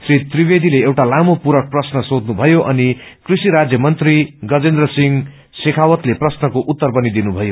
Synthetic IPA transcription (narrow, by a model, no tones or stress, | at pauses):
srit̪ribed̪ʱileewʈalamopuɾʌk̚prʌsnʌsod̪nubʱʌjoʔʌnikrisiɾad͡zjʌmʌnt̪riɡʌd͡zend̪rʌsiŋ | sekʰawʌt̪leprʌsnʌkoʔut̪ːʌrpʌnid̪inubʱʌjo